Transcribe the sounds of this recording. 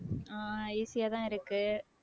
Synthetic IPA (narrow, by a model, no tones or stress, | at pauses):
aiːsɪjaːt̪ãːɪɾɯkːɯ